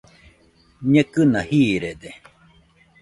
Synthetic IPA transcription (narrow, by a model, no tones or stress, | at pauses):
ɲẽkɨnahiːɾed̪e